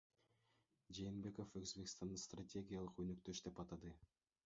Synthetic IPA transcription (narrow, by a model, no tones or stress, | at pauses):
d͡ʒe̞ːnbe̞ko̞føzbekst̪ɑnd̪ɑst̪ratʲe̞ɡʲijalˠɯqønøk̚t̪ø̞ʃd̪e̞pɑt̪ɑd̪ɯ